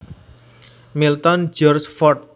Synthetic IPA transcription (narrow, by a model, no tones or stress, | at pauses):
milt̪ɔnd͡ʒɔrsfɔrt̪̚